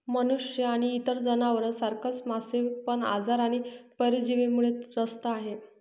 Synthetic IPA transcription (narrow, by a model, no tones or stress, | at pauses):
mənuʂjəaɽ̃iːt̪əɾd͡zənaʋəɾsaɾkət͡smasiʋpəɳa̰d͡zaɾaɽ̃ipəɾid͡ʑiʋemuɭed͡zəst̪əaɦe